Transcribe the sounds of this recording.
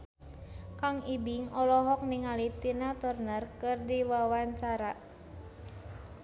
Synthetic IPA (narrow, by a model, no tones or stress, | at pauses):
kaŋibiŋɔlɔɦɔk̚niŋalit̪inat̪ɔrnərkɨrdiwawaɲt͡ʃaɾaʔ